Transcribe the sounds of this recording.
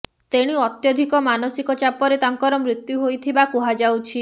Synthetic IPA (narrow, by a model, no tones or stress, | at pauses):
t̪eɽ̃iɔt̪jɔd̪ʱikɔmanɔsikɔt͡ʃapɔɾet̪aŋkɔɾɔmɾit̪juɦojt̪ʰibakuɦad͡ʒawt͡ʃʰi